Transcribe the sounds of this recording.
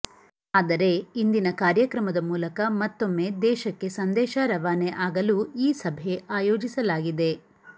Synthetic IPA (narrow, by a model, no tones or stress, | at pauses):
aːd̪ɐɾe̞ind̪inɐkaːɾjɐkɾɐmɐd̪ɐmuːlɐkɐmɐt̪ːo̞mːe̞d̪ɛːʃɐkːe̞sɐnd̪ɛːʃaɾɐʋaːneʔaːɡɐluiːsɐbʱeaːjo̞ːd͡ʒisɐlaːɡid̪e̞